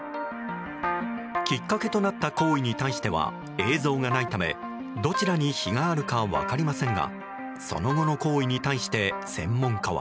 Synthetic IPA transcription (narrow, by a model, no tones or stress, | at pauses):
kʲikːake̞t̪o̞nat̪ːako̞ːiɲ̟it̪aiɕi̥t̪e̞βa̰ | e̞ːzo̞ːŋanait̪ame̞̰ | d̪o̞t͡ɕiɾaɲ̟içiɡaːɾɯ̟kaβa̰kaɾʲimasẽ̞ŋɡa̰ | so̞̰no̞ɡo̞no̞ko̞ːiɲ̟it̪aiɕi̥t̪e̞sẽ̞̰mːõ̞ŋkaβa̰